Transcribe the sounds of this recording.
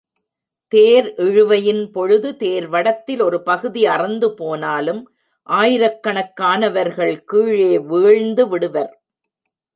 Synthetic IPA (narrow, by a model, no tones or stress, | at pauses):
t̪eːɾʔɪɻɯʋɐjɪnpɔɻɯðɯt̪eːɾʋɐɽɐt̪ːɪlɔɾɯpɐɣɯðiɐrɐnd̪ɯpoːnaːlɯm | ʔaːjɪɾɐkːɐɳɐkːaːnɐʋɐɾɣɐɭkiːɻeːʋiːɻnd̪ɯʋɪɽɯʋɐɾ